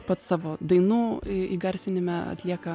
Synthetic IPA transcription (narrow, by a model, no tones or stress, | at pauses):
pɐt̪ssɑːʋoːd̪ɐɪnuːiɡɐɾʲsʲɪnʲɪmʲɛɐ̰t̪ʲlʲiɛkɐ